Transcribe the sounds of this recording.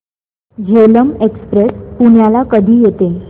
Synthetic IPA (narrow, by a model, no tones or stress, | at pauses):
d͡ʑeləmekspɾespuɳjalakəd̪ʱiːjet̪e